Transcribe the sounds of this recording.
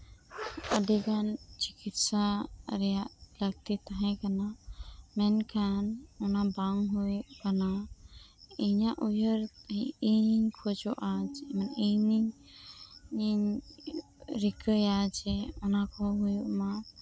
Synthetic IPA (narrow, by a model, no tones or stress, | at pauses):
əd̪iɡant͡ʃikit̪saɾealəɡt̪it̪əɦẽkənamenkʰanonabaŋɦojkəna | ejãʔujəɾiiinkʰod͡ʒoʔad͡ʒməneni | ɾikəjad͡ʒeonakʰɔɦojma